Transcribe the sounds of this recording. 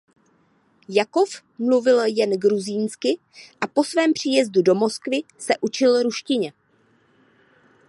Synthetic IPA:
jako̞f | mluvɪljɛnɡɾuziːnskɪ | ʔapo̞svɛːmpr̝̥iːjɛzdudo̞mo̞skvɪsɛʔut͡ʃɪlɾuʃcɪɲɛ

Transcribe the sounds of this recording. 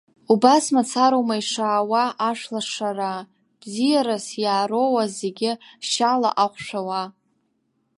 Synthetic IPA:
ubasmat͡sʰaɾowmaiʂaːwaʔaʂlaʂara | b̥zijaɾasjaːro̞wazeɡʲɪʃala̰ʔaχʷʂʷᶣawa

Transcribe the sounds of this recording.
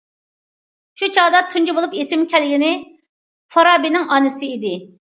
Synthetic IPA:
ʃut͡ʃʰɑʁd̪ɑt̪ʰunt͡ʃibolˠupesɪmkʲɛlɡʲinɪ | fʰɑɾɑbinɪŋɑnɨsɨid̪ɪ

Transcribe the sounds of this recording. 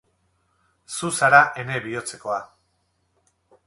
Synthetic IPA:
susaɾaʔe̞ne̞βio̞t͡se̞ko̞a

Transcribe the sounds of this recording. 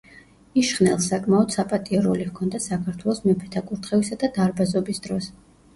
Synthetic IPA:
iʃχnɛlˠsakʼmaɔd̪̥sapʼat̪ʼiɛɾɔlihkʰɔnd̪asakʰaɾt̪ʰwɛlˠɔsmɛpʰɛt̪ʰakʼuɾt̪ʰχɛvisad̪ad̪aɾbazɔbisd̪̥ɾɔs

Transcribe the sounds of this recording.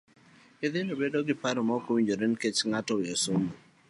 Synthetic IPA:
ɪd̪ɪnobedoɡɪpaɾɔmɔkowiɲd͡ʒoɾenket͡ʃŋatɔjosomo

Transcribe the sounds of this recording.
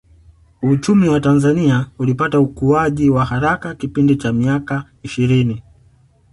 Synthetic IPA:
ut͡ʃumiwatanzaniaulipataukuaʄiwahaɾakakipindit͡ʃamiaka | iʃiɾini

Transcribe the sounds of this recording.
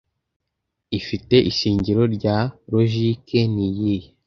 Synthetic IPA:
ifite̞ʔiʃiːɲɟiɾo̞ɾɟaɾoʒikenijije

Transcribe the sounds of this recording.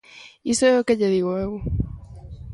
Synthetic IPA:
isoeokeʎeðiɣoeɣu

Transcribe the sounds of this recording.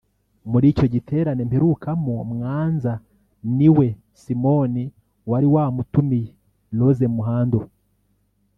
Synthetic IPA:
muɾiːco̞ɟitʰe̞ːɾane̞mpeɾukamomŋaːnza | niwe̞ | simo̞ni | waɾiwaːmutumi | lo̞zemuɦaːndo

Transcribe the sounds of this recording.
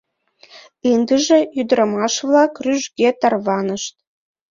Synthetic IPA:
ind̪əʒĕjyd̪ɾɑmɑʃvlɑkryʒɡʲet̪ɑrβɑnəʃt̪̚

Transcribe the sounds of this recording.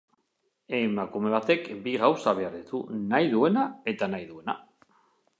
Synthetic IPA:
emakume̞β̞at̪e̞kbiɣawsaβ̞eaɾðit̪unajðue̞nae̞t̪anajðue̞na̰

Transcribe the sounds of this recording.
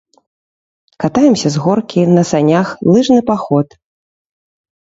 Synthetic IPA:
kat̪ajɛmsʲɐzɣɔrkʲinɐsanʲaxlˠɨʐnɨpaxɔt̪

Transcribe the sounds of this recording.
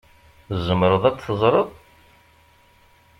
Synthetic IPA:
zːəmɾˤəðˤæt͡sθəzˤɾˤəðˤ

